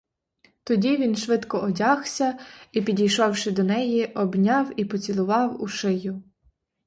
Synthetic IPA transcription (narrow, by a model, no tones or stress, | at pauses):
t̪ɔdʲiʋʲinʃʋɪd̪kɔʔɔdʲɑxsʲɐipʲidʲijʃɔwʃɪd̪ɔnɛjiʔɔbnʲɑwipɔt͡sʲilˠʊʋɑwʊʃɪjʊ